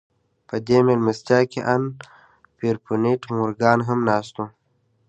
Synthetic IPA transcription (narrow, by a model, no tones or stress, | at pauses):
pəd̪emelməst̪jaːkeʔan | piɾpuneʈmuɾɡaːnɦəmnaːst̪ũ